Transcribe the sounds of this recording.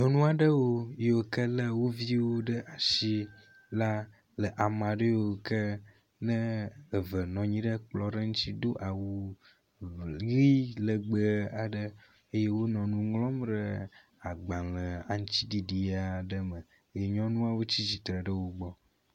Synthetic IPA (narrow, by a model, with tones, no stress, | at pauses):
ɲɔ̃˦nũ˦a˨ɖə˦wo˦je˦wo˨kə˦lə˦wo˦vi˦wo˦ɖə˦ʔa˨si˦ | la˦ | lə˨ʔa˨mã˨ɖe˦jo˦o˨kə˦ | nə̃ː˦˨və˨nɔ̃˨ɲĩ˦ɖə˦k͡plɔ˦ɖə˦ŋũ˦t̪i˦d̪o˦ʔa˨wu˦ | ɣi˦lə˨ɡ͡bə˨a˨ɖə˦ | e˦je˦wo˦nɔ̃˨nũ˦ŋlɔ̃˦mɖə˨ | a˨ɡ͡bã˨lə˨a˨ŋ̩̃˦t͡ɕi˦ɖi˨ɖi˨a˨ɖə˦mə̃˨ | je˨ɲɔ̃˦nũ˦a˦˨wo˦t͡ɕi˦d͡ʑi˨t̪ɾə˨ɖə˦wo˨ɡ͡bɔ˦